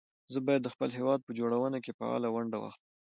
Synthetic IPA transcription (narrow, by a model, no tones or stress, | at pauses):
zəbɑjad̪ːəxpəlɦewɑd̪̚pəd͡ʒoɽawənakepə̰a̰lawaɳɖawa̰xləm